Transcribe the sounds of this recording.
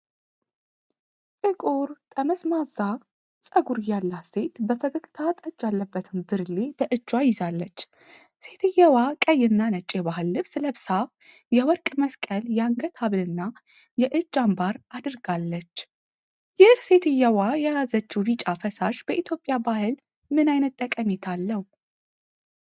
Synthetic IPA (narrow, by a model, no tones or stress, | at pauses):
t̪ʼɨkʼuɾt̪ʼəməsmaza | sʼəɡuɾɨjalːase̞t̪bəfəɡəkʼt̪ʰat̪ʼəd͡ʒːalːəbːət̪ʰɨmbɨɾlebəʔɨd͡ʒːwajɪzalːət͡ʃː | se̞t̪ʰɨjːawakʼəjːɪnːanət͡ʃʼːebahɨlːɨβsɨləbsa | jɛwɔɾkʼməskʼəljaŋɡət̪ʰaβɨlɨnːa | jɛʔɨd͡ʒːambaɾad̪ɨɾɡalːət͡ʃː | jɪhse̞t̪ʰɨjːawajɛjazət͡ʃːubit͡ʃʼafəsaʃb̥əʔit̪ʰjo̞pʼjabahɨl | mɨnajnət̪ʼːəkʼəmet̪ʰalːəw